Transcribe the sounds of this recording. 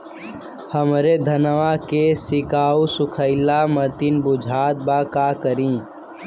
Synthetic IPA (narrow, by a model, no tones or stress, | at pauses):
həmɾed̪ʱənʋakesɪkaːusʊkʰəɪlamət̪inbʊd͡ʒʱaːt̪̚bakakəɾĩ